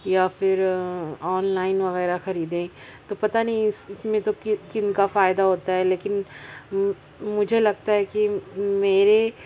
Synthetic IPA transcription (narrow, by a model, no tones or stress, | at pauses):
jafɪɾɔːnlaːɪnʋɐɣɛːɾaxɐɾiːd̪ẽt̪opɐt̪anɐɦĩɪsmẽt̪okkɪnkafaːjɪd̪aɦoːt̪aɦɛleːkɪn | mʊd͡ʒʱelɐɡ̚t̪aɦɛkimeːɾe